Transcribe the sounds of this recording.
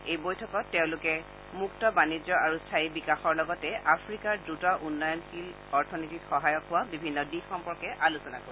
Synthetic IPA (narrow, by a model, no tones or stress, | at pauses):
ejbojtʰɔkɔtːɛʊ̃lʊkɛ | muktɔbanid͡ʒɔaɹustʰaibikaxɔɹlɔɡɔtɛʔapʰɹikaɹdɹutɔʔunːɔjɔnxil | ɔɹtʰɔnititxɔɦajɔkɦʊwabibʱinːɔditxɔmpɔɹkɛʔalusɔna̰koɹ